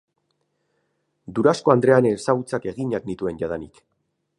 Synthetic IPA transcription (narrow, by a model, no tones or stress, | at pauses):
d̪uɾasko̞and̪ɾe̞anesaɣut͡sake̞ɣiɲaknit̪ue̞nʝað̞anik